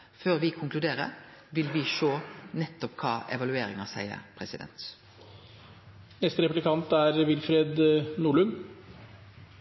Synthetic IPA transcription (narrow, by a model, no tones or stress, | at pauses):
føːʁʋɪkʰʊŋklʉd̪eːɾə̰ | ʋɪlʋɪʃoːnɛt̪ːɔpkʰɑːʔɛʋɑlʉeːɾɪŋɑsæ̰ɪə̰ɾpʰɾɛsɪd̪ɛ̰nt̪ | nɛst̪əɾɛpʉblɪkʰɑnt̪æɾʋɪlfɾeːd̪nuːɭʉn